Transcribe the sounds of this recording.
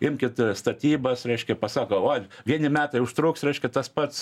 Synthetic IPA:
ɪmʲkʲɪt̪st̪ɐt̪ʲiːbɐsɾʲɛɪʃʲkʲɛpɐsɑːkooːʋʲiɛnʲɪmʲæːt̪ɐɪʊʃt̪ɾuːksɾʲɛɪʃʲkʲɛt̪ɐspɐt̪s

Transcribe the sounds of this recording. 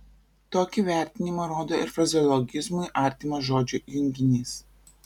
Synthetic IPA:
t̪oːkʲiʋʲæˑɾʲt̪ʲɪnʲɪmɐɾoːd̪oːɪ̰ɾfɾɐzʲɔlˠɔɡʲɪzmʊɪʔɑˑɾʲt̪ʲimɐʒoːd͡ʒʲujʊŋʲɡʲɪnʲiːs

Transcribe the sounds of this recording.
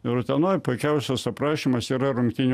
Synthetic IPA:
ɪɾʊt̪ʲɛnoːjpʊɪkʲɛʊsʲɛsɐpɾɑːʃʲimɐsiːɾɐɾʊŋkt̪ʲɪnʲ

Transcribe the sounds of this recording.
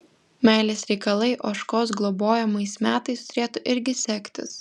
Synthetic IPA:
mʲæɪlʲeːsɾʲɛɪkɐlˠɐɪʔoːʃkoːsɡlˠɔboːjɛmɐɪsmʲæːt̪ɐɪst̪ʊɾʲeːt̪ʊʔɪɾʲɡʲɪsʲɛkʲt̪ʲɪ̰s

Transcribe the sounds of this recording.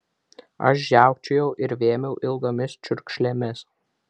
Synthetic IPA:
ɐ̰ʃ̬ʒʲæˑʊkt͡ʃʲʊjɛʊʔɪɾʋʲeːmʲɛʊʔɪlˠɡomʲɪst͡ʃʲʊɾʲkʲʃʲlʲɛmʲɪs

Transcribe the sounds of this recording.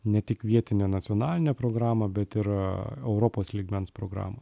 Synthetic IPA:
nʲɛt̪ʲɪkʋʲiɛt̪ʲɪnʲeːnɐt̪sʲɪoːnɑːlʲɪnʲeːpɾoːɡɾɑːmɐbʲɛt̪ɪɾɛʊɾopoːslʲiːɡmʲɛnspɾoːɡɾɑ̰ːmɐ

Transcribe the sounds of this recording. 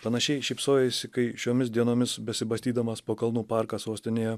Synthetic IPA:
pɐnɐʃʲɛɪʃʲɛɪpsoːjɛsʲɪkɐɪʃʲoːmʲɪs̬d̪ʲiɛnoːmʲɪsbʲɛsʲɪbɐsʲt̪ʲiːd̪ɐmɐspoːkɐlˠnuːpɑˑɾkɑːsoːsʲt̪ʲɪnʲeːjɛ

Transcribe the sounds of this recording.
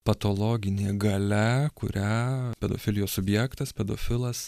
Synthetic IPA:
pɐt̪oːlˠoːɡʲɪnʲeːɡɐlʲɛkʊ̰ɾʲæpʲɛd̪o̰ːfʲɪlʲɪjoːsʊbʲjækt̪ɐspʲɛd̪o̰ːfʲɪlˠɐs

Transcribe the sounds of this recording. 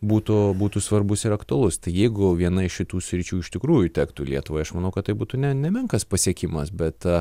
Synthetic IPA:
buːt̪ʊbuːt̪ʊsʋɐɾbʊsɪɾɐkt̪ʊɐlˠʊst̪ɐɪjɛɪɡʊʋʲiɛnɐɪʃʃʲɪt̪uːsʲɾʲɪt͡ʃʲuːɪʃt̪ʲɪkɾuːjʊt̪ʲæːkt̪uːlʲiɛt̪ʊʋoːjɐʃmɐnɐʊkɐt̪ːɐɪbuːt̪unʲɛnʲɛmʲɛŋkɐspɐsʲiɛkʲɪmɐsbʲɛt̪

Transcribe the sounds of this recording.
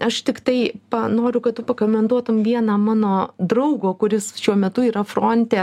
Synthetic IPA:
ɐʃt̪ʲɪkt̪ɐɪpɐnoːɾʲʊkɐtt̪ʊpɐkoːmʲɛnd̪uɔt̪ʊmʋʲiɛnɐːmɑːnoːd̪ɾɐʊɡoːkʊɾʲɪsʃʲuɔmʲɛt̪ʊiːɾɐfroːnʲt̪ʲeː

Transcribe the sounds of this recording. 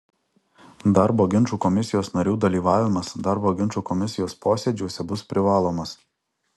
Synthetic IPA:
d̪ɐɾboːɡʲɪnˑt͡ʃuːkɔmʲɪsʲɪjoːsnɐɾʲuːd̪ɐlʲiːʋɑːʋʲɪmɐsd̪ɐɾboːɡʲɪnˑt͡ʃuːkɔmʲɪsʲɪjoːspoːsʲɛd͡ʒʲuːsʲɛbʊspʲɾʲɪʋɑːlˠoːmɐs

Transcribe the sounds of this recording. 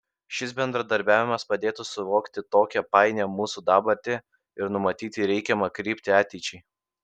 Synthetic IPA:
ʃʲɪs̬bʲɛnd̪ɾɐd̪ɐɾʲbʲæːʋʲɪmɐspɐd̪ʲeːt̪usʊʋoːkt̪ʲɪt̪oːkʲɛpɑɪnʲɛmuːsud̪ɑːbɐɾʲt̪ʲɪ | ɪɾnʊmɐt̪ʲiːt̪ʲɪɾʲɛɪkʲɛmɐkɾʲiːpʲt̪ʲɪɑːt̪ʲɛɪt͡ʃʲɛɪ

